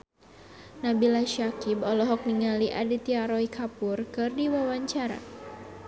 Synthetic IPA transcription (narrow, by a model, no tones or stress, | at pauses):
nabilaʃakibɔlɔɦɔk̚niŋaliʔadit̪iaɾɔikʰapurkɨrdiwawaɲt͡ʃaɾa̰